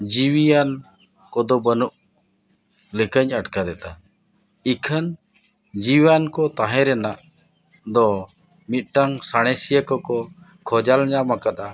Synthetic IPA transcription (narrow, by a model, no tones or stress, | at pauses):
d͡ʒiwijan | kɔd̪ɔbənuʔ | lɛkəɲəʈkad̪ɛt̪a | ikʰən | d͡ʒiwankɔt̪aɦɛ̃ɾɛnaʔ | d̪ɔ | mit̪̚ˀʈaŋsaɽ̃ɛsijəkɔkɔ | kʰɔd͡ʒalɲamakat̪̚a